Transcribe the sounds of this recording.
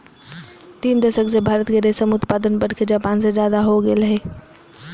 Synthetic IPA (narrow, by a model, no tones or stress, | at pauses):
t̪iːnd̪əsəksebʱaːɾət̪keɾesəmʊt̪paːd̪ənbəɽ̤ked͡ʒaːpaːnsed͡ʒjaːd̪aɦoɡelɦeː